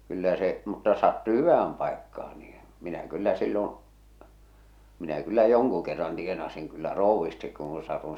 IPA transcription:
kylːæ se mutːɑ ŏs sɑtːu hyʋæhæm pɑˑekːɑː niː minæ kylːæ silːon̞ minæ kylːæ joŋku kerːɑn tienɑsiŋ kylːæ roˑuʋːistik kuːũ sɑtun̞

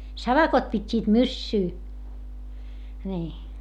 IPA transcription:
sɑʋɑkot pitʲːiːt mysːyː nʲiː

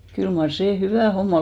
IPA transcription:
kyl mɑr seː hyʋæˑ homːɑ

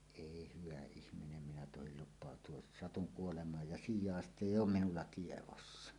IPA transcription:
eˑi hyʋæ ihminem minæ tohil lupˑɑˑotˑuos sɑtuŋ kuolemɑːj jɑ sijˑɑˑestˑ eˑij oːm minulːɑ tieʋosːɑ

